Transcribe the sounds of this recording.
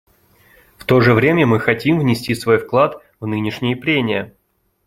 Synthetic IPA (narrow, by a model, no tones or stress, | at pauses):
ft̪o̞ʐɨvɾʲemʲəmɨxɐtʲimvnʲɪsʲtʲisvo̞jfklˠat̪ | vnɨnʲɪʂnʲɪjəpɾʲenʲɪjə